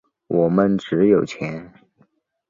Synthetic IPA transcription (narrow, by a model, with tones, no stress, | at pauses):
wʔɔ˨˩mə˧˦nʈ͡ʂɻ̩˧˥jo˨˩ʊt͡ɕʰjɛ˧˥n